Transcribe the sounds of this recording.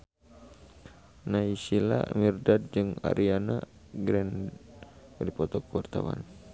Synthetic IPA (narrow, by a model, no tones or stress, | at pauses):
naisila̰mirdad̪̚d͡ʒɨŋa̰ɾiana | ɡɾɛn | ɾipɔt̪ɔkəwart̪awa̰n